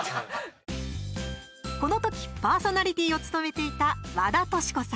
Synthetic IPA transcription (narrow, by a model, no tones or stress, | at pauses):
ko̞no̞t̪o̞kʲi̥paːso̞naɾʲit̪ʲiːo̞t͡sɨ̥t̪o̞me̞t̪e̞it̪aβad̪at̪o̞ɕi̥ko̞sã